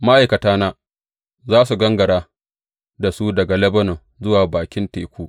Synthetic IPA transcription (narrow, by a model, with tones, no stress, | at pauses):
ma˦ʔa˨jkɐ˨taː˦naː˦ | zaː˦su˨ɡɐ˦ŋɡɐ˨ɾaː˦ | da˨su˦dɐ˨ɡa˨lɛ˦bɐ˦no˨ | zʊ˦waː˨baː˨kʲɪ˦nteː˨kʷuː˦